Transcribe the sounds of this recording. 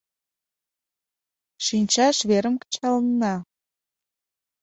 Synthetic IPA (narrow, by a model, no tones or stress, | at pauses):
ʃinʲt͡ɕɑʃβeɾəmkə̥t͡ɕɑlnːɑ